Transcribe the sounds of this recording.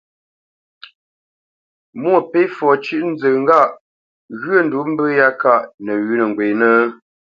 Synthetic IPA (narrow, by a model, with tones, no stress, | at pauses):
mwə˦˨pe˨˦fɔ˨t͡ʃʉ˦ʔn̩˦zə˨ŋ̩˦ɡa˦˨ʔ | ɣɥə˦˨n˨du˨˦m̩˦bə˦ja˦ka˦˨ʔnə˨ɥʉ˦nə˨ŋ˨ɡwe˨nə˦